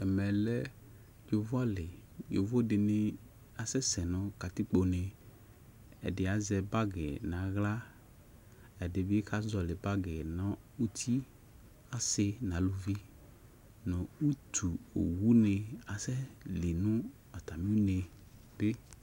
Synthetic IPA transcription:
ɛ˨mɛ˨lɛ˦ | d͡ʒo˨vɔ˦lɪ˨jo̰˨vo˦dɪ˨nɪ˨ | a˨sɛ˦sɛ˨nɔ̃˦ka˨t̪ɪ˦k͡po˨ne˨ | ɛ̰˨dɪ˨a˨˦zɛ˨ba˦ɡɪ˨nã˨˦ɣla˦ | ɛ˨dɪ˨bɪ˦ka˦zɔ˨lɪ˨ba˦ɡɪ˨nɔ̃˦ | u˦t̪ʰi˦ | a˦sɪ˦nã˨˦lo˨vi˦ | nɔ̃˨u˦tʰu˨o̰˨wu˦nɪ˧a˨sɛ˦li˨nʊ̃˦ | a˨t̪a˨mi˦u˦ne˨ | b̥ɪ˦

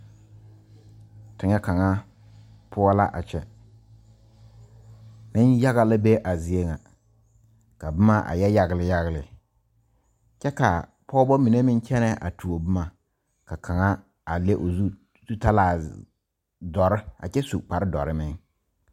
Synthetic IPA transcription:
tɪ˨ŋɛ˦ka˨ŋa˦ | pʰʊ˦ɔ˦la˦ʔa̰˨t͡ʃɛ˨ | nɪ˦nja˦ɣa˨la˦be˦ʔa˨zi˨e˦ŋa˨ | ka˨bɪ˦ma˦ʔa̰˨jɛ˦ja˦ɣɪ˨lɪ˨ja˦ɣɪ˨lɪ˨ | t͡ʃɛ˦ka̰˨ | pʰɔ˦bɔ˦mi˨ne˦mɪ˦n˦t͡ʃɛ˦nɛ˦ʔa̰˨tʰu˨o˨bʊ˦ma˨ | ka˨kʰa˨ŋa˦ | a˨le˦ʔo˨zu˦ | zu˦ta˦laː˨ | dɔ˨ɾɪ˦a̰˨t͡ʃɛ˦sṵ˨k͡pa˨ɾɪ˦dɔ̰˨ɾɪ˦mɪ˦ŋ

